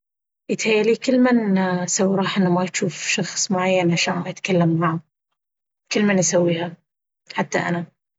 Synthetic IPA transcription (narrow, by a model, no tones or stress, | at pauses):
ʔɪt̪hajːaliːkɪlːmansawːɾˤɑːħʔɪnːamaʃuːfʃɑxsˤmʊʕajːanʕaʃaːnajɪt̪kalːamːʕaʕa | kɪlːmanʔasawːiːha | ħat̪ːa̰ʔa̰na